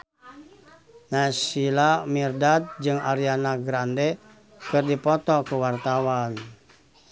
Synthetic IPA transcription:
nasilamirdat̪̚d͡ʒɨŋaɾianaɡɾandɛ | kɨrdipɔt̪ɔkuwart̪awan

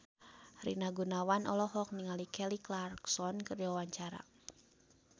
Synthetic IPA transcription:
rḭnaɡunawanʔɔ̰lɔɦɔk̚niŋalikɛliklarksɔnkɨrdiwawaɲt͡ʃaɾa̰

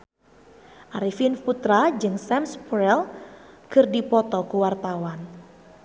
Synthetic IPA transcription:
ʔaɾifinput̪ɾad͡ʒɨŋsɛmspɾɛlkɨrdipɔt̪ɔkuwart̪awan

